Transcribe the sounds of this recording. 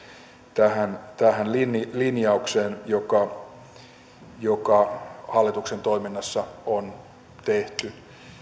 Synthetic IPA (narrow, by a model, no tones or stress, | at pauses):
t̪æhænt̪æhænlinilinjɑukseːnjokɑ | jokɑhɑlːit̪uksent̪oiminːɑsːɑon | t̪eht̪y